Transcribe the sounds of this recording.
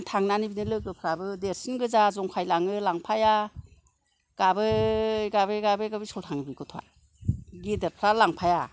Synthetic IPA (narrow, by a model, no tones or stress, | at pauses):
ntʰaŋnanibinɯlɯɡɯpʰɾabɯdeɾsinɡɯzazɔŋpʰajlaŋɯlaŋpʰaja | ɡ̥abɯɡabɯɡabɯɡabisɔltʰaŋbikʰɔtʰɔa̰ | ɡideɾpʰɾalaŋpʰaja